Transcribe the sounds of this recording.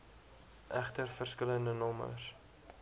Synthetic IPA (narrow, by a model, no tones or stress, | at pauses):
ʔæχtərfərskələndənɔmə̰s